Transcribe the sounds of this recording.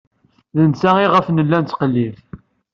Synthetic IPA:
ðənsæiʁəfnəlːænt͡sːqəlːiv

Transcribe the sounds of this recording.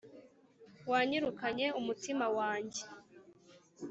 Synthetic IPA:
waːɲiɾukaɲe̞umutimawaːɲɟe

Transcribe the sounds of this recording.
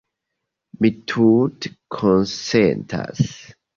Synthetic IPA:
mitʰutkʰɔ̃nsɛntʰa̰s

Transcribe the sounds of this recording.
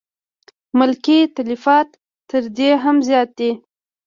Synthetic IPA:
mʊlkit̪alifɑt̪ː | əɾd̪eɦamzjɑt̪̚d̪i

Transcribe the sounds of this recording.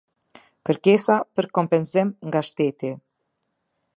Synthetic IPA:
kəɾkɛsapəɾkɔmpɛnzimŋɡaʃt̪ɛt̪i

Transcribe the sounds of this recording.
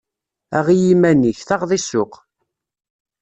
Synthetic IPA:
æ̰ʁijimæniçθɑʁðˤisʊq

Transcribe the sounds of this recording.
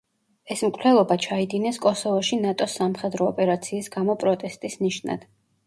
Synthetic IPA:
ɛsmkʼlɛlˠɔbat͡ʃʰaid̪inɛskʼɔsɔvɔʃinat̪ʼɔsːamχɛd̪ɾɔːpʼɛɾat̪sʰiːsɡamɔpʼɾɔt̪ʼɛst̪ʼisniʃna̰d̪̥

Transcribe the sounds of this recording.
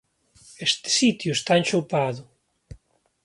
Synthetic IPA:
est̪ɪ̥sit̪jʊest̪aent͡ʃowpaðʊ

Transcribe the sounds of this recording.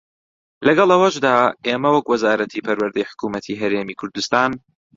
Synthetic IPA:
lɐɡɑlˠɐwɐʃd̪aːeːmɐwɐkwɐzaːɾɐt̪ʰiːpʰɐɾwɐɾd̪ɛjħʊ̥kuːmɐt̪ʰiːɦɐɾeːmiːkʰʊɾd̪ust̪aːn

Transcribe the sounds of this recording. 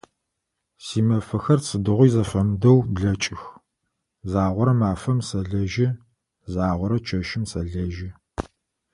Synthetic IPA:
siːmɐfɐxɐrt͡sʰɨdɨʁʷʊjzɐfɐmdɐwbɮɐt͡ʃʼɪx | zaːʁʷɔɾɐmaːfɐmsɐɮɐʒɪ | zaːʁʷɔɾɐt͡ʃʰɐʃɪmsɐɮɐʒɪ

